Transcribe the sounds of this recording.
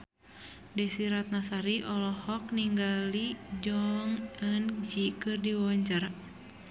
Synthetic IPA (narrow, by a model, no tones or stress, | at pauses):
dɛsiɾat̪̚nasaɾiʔɔlɔhɔk̚niŋɡalid͡ʒɔŋənd͡ʒikɨrdiwɔɲt͡ʃar